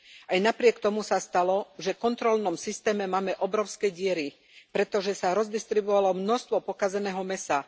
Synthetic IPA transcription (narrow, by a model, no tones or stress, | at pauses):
ʔajnapɾɪɛkt̪ɔmusast̪alɔʒɛfkɔnt̪ɾɔlnɔmsist̪ɛːmɛmaːmɛʔɔbɾɔʊskɛɟɪɛɾi | pɾɛt̪ɔʒɛsaɾɔzd̪ist̪ɾibɔʋalɔmnɔst̪ʋɔpɔkazɛnɛːɦɔmɛsa